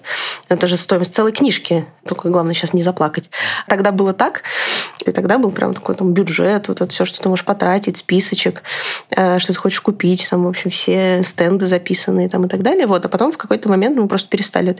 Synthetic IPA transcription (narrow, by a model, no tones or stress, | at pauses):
ɛt̪əʐɨst̪oɪməsʲt̪sɛlˠəjknʲiʂkʲɪt̪okəɡlˠavnəjəɕːasnʲɪzɐplˠakətʲt̪ɐɡd̪abɨlˠət̪akɨ̰t̪ɐɡd̪abɨlˠpɾʲa̰mt̪ɐ̥ko̞jt̪ambʲʊʐɛt̪vo̞t̪ɛt̪əfsʲoʂt̪o̞t̪ɨmo̞ʐə̥ʂpɐt̪ɾatʲɪt̚ʲspʲisət͡ɕɪkəʂt̪ot̪ɨ̥xo̞t͡ɕɪ̥ʂkʊpʲitʲt̪amvo̞pɕːɪmfsʲest̪ɛnd̪ɨzɐpʲisənːɨɪt̪amɨt̪ɐɡd̪alʲɪjəvo̞t̪ɐpɐt̪o̞mfkɐko̞jt̪əmɐmʲe̞nt̪mɨpɾo̞st̪ə̥pʲɪɾʲɪst̪a̰lʲɪɛt̪